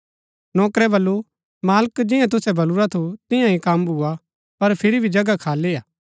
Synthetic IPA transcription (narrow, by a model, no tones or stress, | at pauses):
nɔːkɾɛbɐlːu | maːləkd͡ʒɪjãt̪̬ʊsɛbɐluɾat̪ʰot̪ɪ̃jãĩkɐmbʱua | pɐɾpʰɪɾibʱid͡ʒɐɡakʰaːleːaː